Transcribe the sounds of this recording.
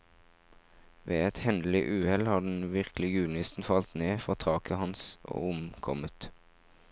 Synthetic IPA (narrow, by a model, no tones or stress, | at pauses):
ʋḛːɛt̪hɛnd̪l̩ɪʔʉːhɛlhɑːd̪n̩ʋɪʁklɪɡʉːlnɪst̪n̩fɑlt̪neːfʁɔʁt̪ʰɑːkʰəhɑnsʔo̰ːʊmkʰɔmət̪